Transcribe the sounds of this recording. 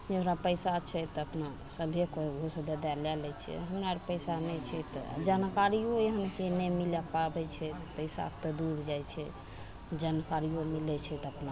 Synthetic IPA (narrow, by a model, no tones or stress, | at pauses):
d͡ʒəɦɾapəjsat͡ʃʰɛt̪əpna | səbʱekoɡʱosd̪əd̪ɛlɛlɛt͡ʃʰɛ̰ɦəmɾaɾpəjsanɛt͡ʃʰɛt̪ɔ̰d͡ʒankaɾiojeɦənkenɛmilapabɛt͡ʃʰɛ | pəɪsa̰t̪ɔd̪uɾd͡ʒajt͡ʃʰɛ̰ | d͡ʒankaɾiomilɛt͡ʃʰɛt̪əpna